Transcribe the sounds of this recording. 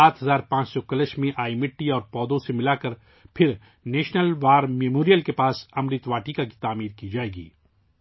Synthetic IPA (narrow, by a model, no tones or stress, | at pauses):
aːt̪ɦɐzaːɾpãːt͡ʃsɔkɐləʃmẽʔaːimɪʈːiɔːɾpɔːd̪õsemɪlaːkəɾ | pʰɪɾ | neːʃnəlʋaːɾmeːmoːɾijəlkepaːsɐmɾɪt̪ʋaːʈikaki̥t̪aːmiːɾkid͡ʒaːeːɡḭː